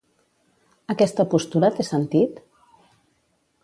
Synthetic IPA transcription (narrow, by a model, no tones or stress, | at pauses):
əkɛst̪əpust̪uɾət̪esənt̪it̪